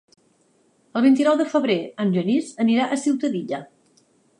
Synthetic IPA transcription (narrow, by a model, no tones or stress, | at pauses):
əlˠβint̪inɔwðəfəβɾeənʒənizəniɾaʔəsiwt̪əðiʎə